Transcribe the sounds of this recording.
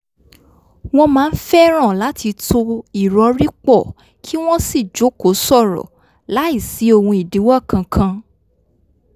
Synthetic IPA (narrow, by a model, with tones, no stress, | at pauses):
w̃ɔ̃˦mãː˦˧n̩˦fɛ˦ɾ̃ã˦˨la˨˦tʰi˧to˧i˨ɾɔ˧˦ɾi˦k͡pɔ˦˨ | kʰi˦w̃ɔ̃˦si˦˨d͡ʒo˨˦ko˨˦sɔ˦˨ɾɔ̰˨ | la˨˦i˦˨si˨˦o˦˧˨hũ˧i˨di˨˦wɔ˦˨kʰã˧kʰã˧